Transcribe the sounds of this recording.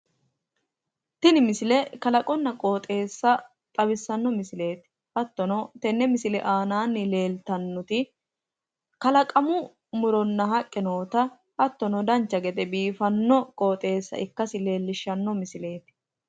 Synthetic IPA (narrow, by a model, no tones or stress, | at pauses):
t̪ɪnɪmɪsɪlɛkɐlɐkʼɔnːɐkʼoːt̪ʼe̞ːsːɐ | t̪ʼɐbɪsːɐnːɔmɪsɪle̞ːt̪ɪ̥ | hɐt̪ːɔnɔt̪ɛnːɛmɪsɪlɛ̰ʔaːnaːnːɪle̞ːlt̪ɐnːɔt̪ɪ | kɐlɐkʼɐmʊ | mʊɾɔnːɐɦɐkʼːɪno̞ːt̪ɐ | ʔɐt̪ːɔnɔd̪ɐnt͡ʃːɐɡɛd̪ɛbiːfɐnːɔkʼo̞ːt̪ʼe̞ːsːɐ̰ʔɪkːɐsɪle̞ːlːɪʃːɐnːɔmɪsɪle̞ːt̪ɪ̥